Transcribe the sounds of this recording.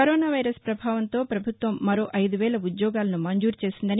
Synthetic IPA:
kɐɾoːnaːʋɐjɾɐspɾɐbʱaːʋɐnt̪o̞ːpɾɐbʱut̪ʋɐmːɐɾo̞ːʔɐjd̪uʋɛːɭɐud̪jɔːɡaːlɐnumɐɲd͡ʒuːɾt͡ʃe̞ːsind̪ɐni

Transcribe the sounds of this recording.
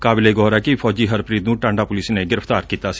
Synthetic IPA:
kaːbɪleːɡɔːɾaːkɪpʰɔːd͡ʒiːɦəɾpɾiːd̪nũːʈãːɳɖaːpʊlɪsneːɡɪɾəft̪aːɾkiːt̪aːsi̥

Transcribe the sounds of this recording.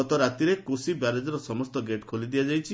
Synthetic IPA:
ɔt̪ɔɾat̪iɾekosibaɾed͡ʒɔɾɔsɔmɔst̪ɔɡeʈkʰolid̪iad͡ʒajt͡ʃʰi

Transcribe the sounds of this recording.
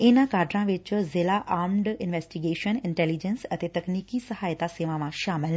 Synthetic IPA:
enãkaːɾɖɾãʋɪt͡ʃzɪlaʔaːmɖɪnʋɛːsʈiɡeːʃənɪ̃ɳʈɛːlid͡ʒensɐt̪et̪ɐkniːkisɐɦaːjt̪aseːʋãʋãʃaːmɪl

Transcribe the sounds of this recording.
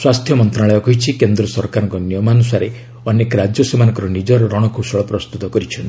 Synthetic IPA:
swast̪ʰjɔmɔnt̪ɾaɭejɔkɔɦit͡ʃʰikend̪ɾɔsɔɾkaɾɔŋkɔnjɔmanusaɾe | ɔnekɾad͡ʒjɔsemanɔ̃ŋkɔɾɔnid͡ʒɔɾɔɾɔɽ̃ɔkʰusɔɭɔpɾɔst̪ut̪ɔkɔɾit͡ʃʰɔnt̪i̥

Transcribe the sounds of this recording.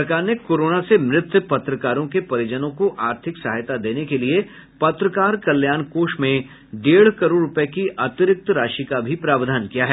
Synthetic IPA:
ɾkaːɾnekoːɾoːnasemɾɪt̪jəpɐt̪ɾəkaːɾõkepɐɾɪd͡ʒənõkoʔaːɾt̪ʰɪksaɦajt̪ad̪eːnekelie | pɐt̪ɾəkaːɾkɐljaːnkoːʃmẽ | ɖeːɽ̤kɐɾoːɽɾʊpəkiʔaːt̪ɪɾɪk̚t̪ɾaːʃikabʱipɾaːʋd̪ʱaːnkijaɦɛ

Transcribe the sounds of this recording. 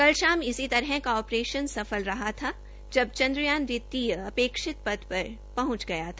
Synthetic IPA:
kɐlʃaːmɪsit̪ɐɾɦɛ̃kaɔːpɾeːʃənsɐfəlɾɐɦat̪ʰa | d͡ʒɐbt͡ʃɐ̃nd̪ɾʊjaːnɾɪt̪ːiəɐpeːkʃɪt̪̚pɐd̪pɐɾ | pɐɦʊ̃t͡ʃɡɐjat̪ʰa

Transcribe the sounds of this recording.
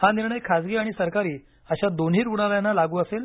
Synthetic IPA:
haniɾɳəjkʰad͡zɡiːaɽ̃isəɾkaɾiː | əɕad̪on̤ɦiːɾɡuɽ̃aljanːalaɡuːəsel

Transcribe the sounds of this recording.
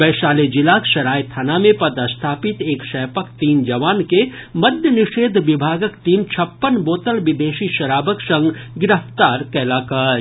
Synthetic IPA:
bɛːʃaːled͡ʒɪlaːkʃɐɾaːjt̪ʰanamẽpɐd̪əst̪ʰaːpɪt̪eːkʃɛːpəkt̪iːnd͡ʒɐʋaːnkemɐd̪jənɪʃeːd̪ʱʋɪbʱaːɡəkt̪iːmt͡ʃʰɐpːənboːt̪əlʋɪd̪eːʃiʃɐɾaːbəksɐ̃ŋɡɡɪɾəft̪aːɾkɛːlaːkaːɾ

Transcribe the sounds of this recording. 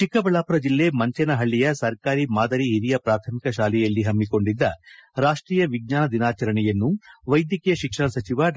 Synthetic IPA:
t͡ʃikɐbɐɭaːpuɾɐd͡ʒilːe̞mɐɲt͡ʃɛnɐɦɐɭːijɐsɐɾkaːɾimaːd̪ɐɾiɦiɾijɐpɾaːt̪ʰɐmikɐʃaːlɛjɐlːiɦɐmːiko̞ɳɖid̪ːɐɾaːʂʈɾiːjɐʋiɡ̚ɲaːnɐd̪inaːt͡ʃɐɾɐɳɛjɐnːuʋɐjd̪jikijɐʃikʂɐɳɐsɐt͡ʃiʋa

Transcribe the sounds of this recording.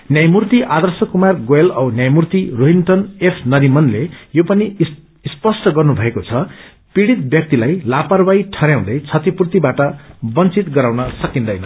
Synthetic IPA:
njajmurt̪iʔad̪ʌrsʌkumarɡoelʌwnjajmurt̪iroɦinʈ̪ʌnepʰnʌɾimʌnlejopʌni | spʌsʈʌɡʌrnubʱʌekot͡sʰʌ | piɽit̪̚bjʌk̚t̪ilajlaparwajiʈʰʌɾjaw̃d̪ʌjt͡sʰʌt̪ipurt̪ibaʈʌbʌnt͡sit̪ɡʌɾaw̃nʌsʌkind̪ʌjnʌ

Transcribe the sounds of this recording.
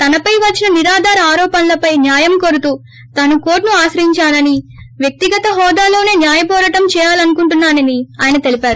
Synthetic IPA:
t̪ɐnɐpɐjʋɐt͡ʃːinɐniɾaːd̪ʱaːɾɐaːɾɔːpɐnlɐpɐjnjaːjɐmkoɾut̪uː | t̪ɐnukoːɾʈnuaːsɾɐɦiɲt͡ʃaːnɐniʋjɐk̚t̪iɡɐt̪ɐɦɔːd̪aːlo̞ːne̞ːnjaːjɐp̬ɔːɾɐʈɐmt͡ʃɛːjaːlɐnukuɳʈunːaːnɐniaːjɐnɐt̪e̞lipaːɾu

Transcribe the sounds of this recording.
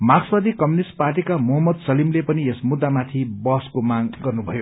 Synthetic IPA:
maksʌd̪ikʌmjunisʈparʈikamʌɦʌmʌd̪sʌlimlepʌniesmud̪ːamat̪ʰibʌɦskomaŋɡʌrnubʱʌjo

